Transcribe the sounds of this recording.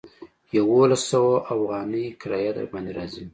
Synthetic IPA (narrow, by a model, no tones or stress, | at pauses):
jawolasːawaʔafɣɑnəjkɾɑjɑd̪a̰bɑnd̪eɾɑzi